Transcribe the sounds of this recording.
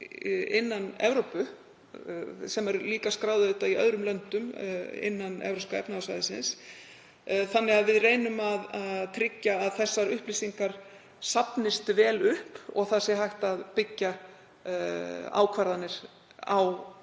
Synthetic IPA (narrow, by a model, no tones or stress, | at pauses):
ɪnːanɛ̰vɾowpʏ | sɛmɛɾliːkaskɾaːwðʏðɪht̪aiœðɾʏmlœnt̪ʏmɪ̰nːanɛ̰vɾowskaɛ̰pnaðsvajðɪsɪ̰ns | θanːɪɣaðvɪðrejnʏmaðaðt̪ʰɾɪcːaːðθɛsːaɾʏhplisiŋkaɾ̥ | sapnɪst̪vɛːlʏhpɔ̰ɣθasɪɦajht̪aðpɪcːa | a̰wkʰvaɾðanːɪɾ̥ | a̰w